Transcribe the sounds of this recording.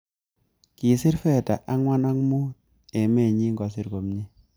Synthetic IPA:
ki˨sɪ˦rfɛ˦ta̰˨ʔa˦ŋwa˦na˦kmu˦ | e˨mɛ˦˨ɲi˦ŋɡɔ˨sɪ˨ɾɡo˨mɲi˦

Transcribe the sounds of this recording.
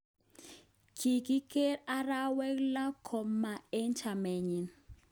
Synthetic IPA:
kʰi˨ki˦ke˦ɾa˦ɾa˦wɛ˦kla˦kʰɔ˨mːa˨e˦ɲt͡ʃa˨mɛ˨ɲi˨n

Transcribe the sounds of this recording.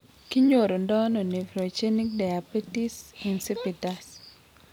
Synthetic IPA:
ki˦ɲo˨ɾo˨ndɔ˦nɔ˨ni˨vɾo˨t͡ʃe˦ni˦k̚da˨ja˨bi˦ti˦si˨nsi˦pi˨ta˦s

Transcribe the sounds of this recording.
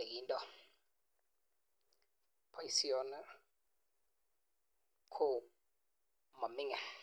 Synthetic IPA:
e˨k̬i˦ntʼɔ˨ | pʰa˦ji˦si˦ɔ˦nɛ | kʰo˦ | ma˨mi˦ŋɛ˨

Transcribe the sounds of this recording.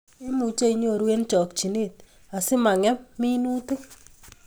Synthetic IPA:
e˦mu˨t͡ʃe˦i˦ɲo˨ɾwe˦nt͡ʃɔ˨kt͡ʃi˨ne˦˨t̚ | a˨sɪ˦ma˨ŋɛ˦pmi˦nu˦te˦

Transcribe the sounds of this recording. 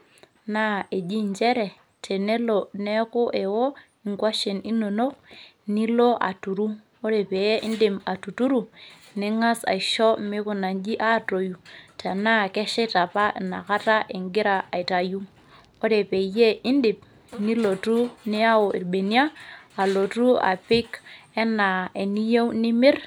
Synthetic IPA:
na˦e˨d͡ʒi˦˨ɲt͡ʃe˦ɾe˨ | tʰe˨ne˦lo˨ne˦kʊ˦ʔe˨wo˦ | i˨ŋkwa˦ʃe˨ni˦no˨no˦k̚ | ni˦lo˦ʔa̰˨tu˨ɾu˦ | o˦ɾe˨pe˨je˦ʔi˦ndi˨ma˨tu˨tu˦ɾu˨ | ne˦ŋa˦sa̰˨i˨ʃo˦mi˦ku˦na˨nd͡ʒi˦ʔa˦˨to˨ju˨ta˨na˦˨ke˦ʃɛ˦ta˨pa˦˨na̰˨ka˦ta˦ʔe˨ŋɡi˦ɾa˨a˨i˨ta˨ju˦ | o˦de˨pe˨je˦i˦ndi˨p̚ | ni˦lo˨tu˦ni˦a˦wo˨ʔḭ˨ɾbe˨ni˦a˦a˨lo˨tu˦a̰˨pɪ˦ke˦na˨e˨ni˦je˦wni˦mi˦ɾ

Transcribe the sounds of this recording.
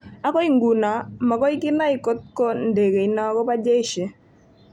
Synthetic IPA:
a˦kɔ˦i˦ŋɡu˨na˨ma˨kɔ˦ɪ˦kɪ˦na˦ɪ˨ko˦t̪̚kɔ˦nde˨ke˨i˨nɔ˦kɔ˦pa˦d͡ʒe˦ʃe˨

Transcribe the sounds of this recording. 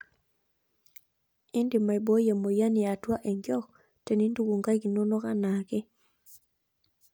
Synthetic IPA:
i˦ndi˨ma˨i˨bo˦ja˨mo˨ja˦nɪ˨a˨twa˦ʔe˨ŋɡjɔ˦k | te˨ni˦ndu˦ɡo˨ŋɡa˦ɡi˨no˦nɔ˦ka˦na˨kɪ˦

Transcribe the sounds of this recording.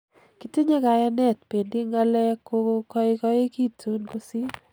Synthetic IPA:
ki˨te˦ɲa˦ka˨ja˦nɛ˦˨tpe˨ndi˦ŋa˦lɛ˦ko˦kɔ˦ɪ˦kɔ˦e˦ki˦tʰu˦nɡo˦si˦

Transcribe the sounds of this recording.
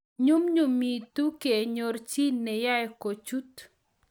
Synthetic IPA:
ɲu˦mɲu˨mi˨tu˦ke˨ɲo˨ɾt͡ʃi˦nɛ˨ja˦ɛko˨t͡ʃu˦t̪

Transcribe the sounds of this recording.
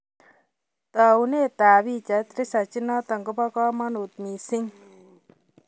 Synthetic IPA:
t̪a˨une˦t̪a˨βi˦t͡ʃa˨t̪ɾɪ˦sa˨t͡ʃɪnɔ˦t̪a˨ŋɡʊ˦pɔ˦kɔ˦mɔ˦nu˨t̪̚mi˨sɪ˦ŋ

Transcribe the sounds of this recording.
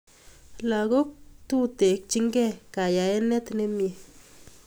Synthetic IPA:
la˨ɣo˦k̚t̪u˦t̪e˨k̚t͡ʃi˦ŋɡɛ˦˨ka˨ja˨e˦nɛ˦t̪ne˦mje˨

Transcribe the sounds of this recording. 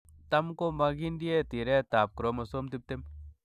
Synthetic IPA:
t̪a˦mko˦ma˧ɡi˦ndi˦e˦t̪i˨ɾɛ˦t̪aː˨p̚kɾo˦mɐ˨˧so˦mt̪i˦p̚t̪e˦m

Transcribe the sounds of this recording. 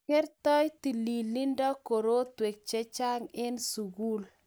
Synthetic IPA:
ke˦ɾt̪ɔ˦jti˨li˨li˦ndɔ˦ko˨ɾo˦twe˨k̚t͡ʃe˦t͡ʃa˦ŋɪ˦nsu˨ɡu˦l

